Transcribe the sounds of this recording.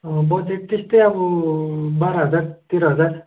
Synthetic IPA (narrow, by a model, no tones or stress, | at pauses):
bʌd͡zeʈ̚t̪est̪ʌjʌbʌ | baɾʌɦʌd͡zart̪iɾɦʌd͡zar